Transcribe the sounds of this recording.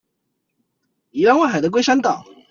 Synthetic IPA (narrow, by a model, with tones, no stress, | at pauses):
i˨˩la˥nwa˥˩xa˨˩ɪd̪ə˦k̬we˥ɪʂa˥nt̪ɑ˨˩˦